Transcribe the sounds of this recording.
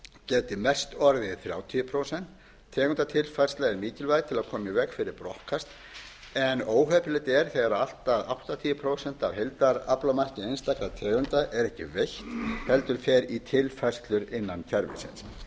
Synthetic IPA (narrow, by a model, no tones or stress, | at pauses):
cɛːt̪ɪmɛ̥st̪ɔɾðɪðθɾja̰ːwt̪ʰiʏpʰɾoːwsɛn̥t̪ʰː | ɛːɣʏnt̪at̪ʰɪlfajrst̪laɛɾmiːcɪlvajðt̪ʰɪlaðkʰɔːmɪvɛkfɪɾɪɾpɾɔ̰hkast̪ | ɛnoːwɦœːpɪlɛjt̪ɛɾ̥θeɣaɾaal̥t̪aðawht̪at̪ʰiːjʏpʰɾoːwsɛn̥t̪avhejlt̪aɾaplamar̥cɪejnst̪aklat̪ʰɛːɣʏnt̪aʔɛɾɛhcɪ̰vejçt̪hɛlt̪ʏɾ̥fɛɾit̪ʰɪlfajrst̪lʏɾɪnːancʰɛɾvɪ̰sɪ̰ns